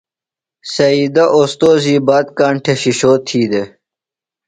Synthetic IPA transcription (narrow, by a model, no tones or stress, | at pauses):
sɐiːd̪aʔost̪oːziːbaːd̪̚kaːɳʈʰeɕiɕoːt̪ʰːiːd̪e